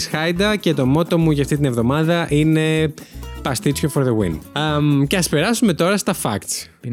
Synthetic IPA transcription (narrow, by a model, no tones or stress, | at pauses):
sxɐjd̪ɐce̞t̪o̞mo̞t̪o̞muʝɐft̪it̪inevðo̞mɐðɐʔine̞ | pɐst̪it͡sçofoɾðeɣwḭn | ce̞ɐspe̞ɾɐsume̞t̪o̞ɾɐst̪ɐfɐ̰kt̪s